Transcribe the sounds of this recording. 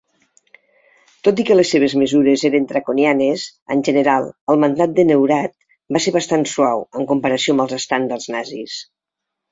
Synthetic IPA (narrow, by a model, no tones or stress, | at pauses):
t̪ot̪̬ikəlesːeβ̞ezməzuɾezeɾənt̪ɾəkonjanezə̰nʲʒənəɾalˠəlˠmənd̪at̪̚d̪ənewɾat̪̚ | baseɾβəst̪answawəŋkumpəɾəsiombəlˠzəst̪and̪əlˠznazis